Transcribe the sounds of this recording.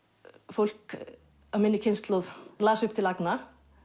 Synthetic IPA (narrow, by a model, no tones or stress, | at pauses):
fowl̥k | amɪnːɪcʰɪnst̪lowðlaːsʏhpt̪ʰɪlakna